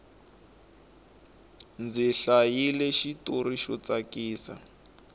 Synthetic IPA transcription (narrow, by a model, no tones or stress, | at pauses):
nd͡ziɬajilɛʃitoriʃɔt͡sakiːsa̰